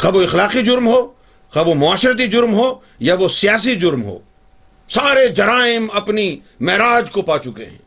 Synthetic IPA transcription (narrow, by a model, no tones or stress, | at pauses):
kɐboɪxlaːqid͡ʒʊɾmɦoː | xɐbomʊaːʃɾət̪̬id͡ʒʊɾmɦoː | jaʋosijaːs̬id͡ʒʊɾmɦo̰ː | saːɾed͡ʒɐɾaːɪmɐpni | mɛɦɾaːd͡ʒkopaːt͡ʃʊkḛɦɛ̰̃ː